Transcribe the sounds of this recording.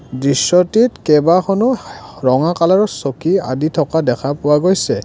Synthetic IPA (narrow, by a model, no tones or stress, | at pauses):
dɹisːɔtitkɛbaxʰɔnɔɹɔŋakalaɹɔsokia̰ditʰɔkadɛkʰapʊwaɡojsɛ